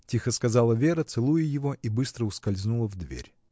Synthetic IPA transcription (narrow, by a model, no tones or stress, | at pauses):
tʲixəskɐzɑlˠəvʲe̞ɾət̪sɨlˠujʊjɪvo̞ʔibɨst̪ɾəʊskɐlʲznulˠəvd̪vʲḛɾʲ